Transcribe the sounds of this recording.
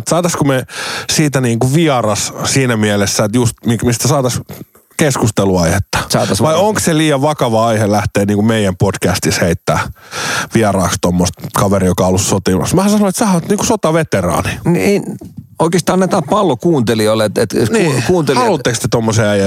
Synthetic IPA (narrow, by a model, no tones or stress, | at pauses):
et̪sɑːt̪ɑskumesiːt̪æniːŋkuʋiɑrɑssiːnæmiɛlesːæet̪just̪mikmist̪æsɑːt̪ɑs | keskust̪eluɑihet̪ːɑ̥sɑːt̪ɑsʋɑioŋksseliːjɑʋʋɑkɑʋɑɑihelæht̪eːniːŋkumeijæmpodkæst̪isheit̪ːæ̰ːʋiɑrɑːkst̪omːost̪kɑʋerijokɑolːussot̪imɑ̰smæhæsɑnoet̪sɑhɑt̪niːŋkusot̪ɑʋet̪erɑ̰ːninieoikeːst̪ɑːnnet̪æːpɑlːokuːnt̪eliolːet̪et̪nikuːnt̪elhɑlut̪ːekst̪et̪omːoseːæjæ